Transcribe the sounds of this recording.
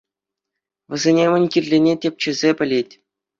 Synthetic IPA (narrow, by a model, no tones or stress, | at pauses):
ʋʲɘ̆zʲenʲemʲɘ̆nʲkʲirʲlʲenʲetʲep̚ʲt͡ɕɘ̆zʲepʲɘ̆lʲetʲ